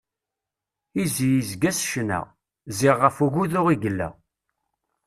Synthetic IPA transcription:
izijizɡæsʃnæ̰ʁ | ziʁːəfuʝuðʊʁiɡəlːæ̰

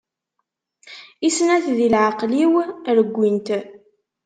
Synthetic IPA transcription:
isnæθðilʕaqliwɾəɡʷːint̪

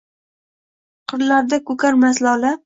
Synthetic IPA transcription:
qʰɨɾlaɾd̪akɵkaɾmaslala

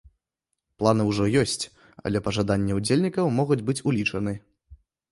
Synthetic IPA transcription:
plˠanɨwʐɔjɔsʲt͡sʲ | ɐ̰lʲɛpɐʐad̪anʲːɛud͡zʲelʲnʲikɐwmɔɣud͡zʲbɨt͡sʲulʲit͡ʂɐnɨ

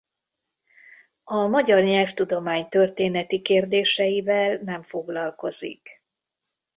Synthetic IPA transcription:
ɒmɒɟɒrɲɛlft̪ud̪o̞maːɲt̪ø̞rt̪eːnɛt̪ikeːrd̪eːʃɛjivɛlnɛɱfo̞ɡlɒlko̞zḭk

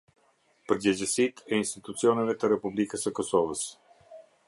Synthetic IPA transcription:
pəɾd͡ʑəd͡ʑəsit̪ʰɛinst̪it̪ut͡siɔnɛvɛt̪əɾɛpublikəsəkɔsɔvəs

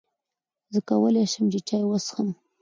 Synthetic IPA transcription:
zəkawəleʃəmt͡ʃet͡ʃɑjwasxən

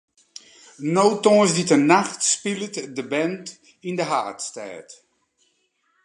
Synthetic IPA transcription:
nowtɔːsditənaxtspilˠətdəbɛnt | indəɦaːtstɛ̰ːt

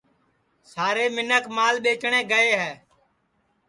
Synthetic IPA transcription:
saːɾeːmɪnəkmaːlɓeːt͡ʃɳẽːɡəeːɦɛː

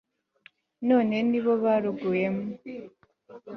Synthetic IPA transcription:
no̞ːne̞niβo̞βaɾuɡuje̞mo

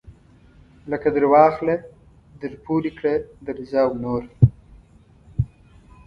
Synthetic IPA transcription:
ləkad̪əɾwɑːxle | d̪əɾpuɾikɽed̪əɾzɑːwnoːɾ

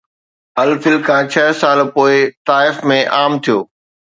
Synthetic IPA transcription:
ɐlfɪlkʰãːt͡ɕʰɐɦsaːlpoːɪt̪aːɪfmẽʔaːmt̪ʰijoː

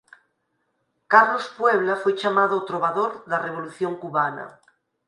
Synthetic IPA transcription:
kaɾlospweβ̞lafwet͡ʃamaðot̪ɾoβaðoɾðareβ̞oluθjoŋkuβana̰

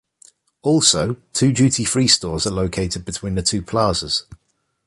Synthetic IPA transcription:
ɔˑlˠsəʊtʰʉːd͡ʒʉˑtʰifɹiːstɔːzələʊkʰeɪtɪd̚bɪtʰw̥ĩːnðətʰʉːpʰl̥ɑːz̥əz̥

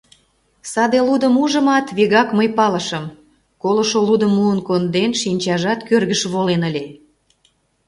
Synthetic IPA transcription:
sɑd̪elud̪əmuʒə̆mɑt̪βiɣɑkməjpɑləʃəm | koloʃolud̪əmːuənkond̪enʃinʲt͡ɕɑʒɑt̪kørɣəʃβolenəlʲe

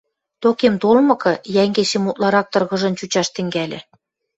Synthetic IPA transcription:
t̪okemt̪olmɤ̆kɤ̆jæŋɡeɕemut̪lɑɾɑk̚t̪ɤ̆rɣɤ̆ʒɤ̆nt͡ɕut͡ɕɑʃt̪ɘ̆ŋɡælʲĕ

